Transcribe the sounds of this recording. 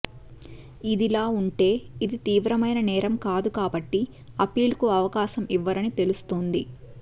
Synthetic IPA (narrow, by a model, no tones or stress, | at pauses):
id̪ilaːuɳʈe̞ːid̪it̪iːʋɾɐmɐjnɐnɛːɾɐmkaːd̪ukaːbɐʈːi | ɐpiːlkuɐʋɐkaːʃɐmiʋːɐɾɐnit̪e̞lust̪ond̪i